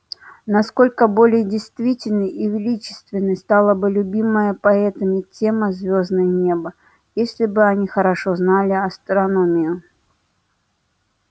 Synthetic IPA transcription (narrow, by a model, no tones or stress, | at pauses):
naskolʲkəbolʲɪjdʲɪjst̪vʲitʲɪlʲnɨʔivʲɪlʲit͡ɕɪ̥st̪vʲɪnːɨjst̪alˠəbɨlʲʊbʲiməjəpɐɛt̪ɐmʲɪt͡sʲemɐzʲvʲoznɨjnʲebɐ | jesʲlʲɪbɨanʲixəɾaʂɔznalʲɪɐst̪ɾanomʲɪjʊ